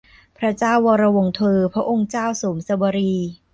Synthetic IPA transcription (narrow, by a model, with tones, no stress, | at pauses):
pʰɾa˦˥t͡ɕaː˥˩wːɔː˧ɾa˧wo˧ŋt̪ʰɯː˧pʰɾa˦˥ʔo˧ŋt͡ɕaː˥˩wsuː˩˦msa˧bɔː˧ɾiː˧